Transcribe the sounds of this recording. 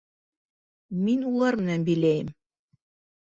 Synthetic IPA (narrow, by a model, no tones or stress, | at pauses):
minulˠɑɾmɘ̆nænbɘ̆jlæjɘm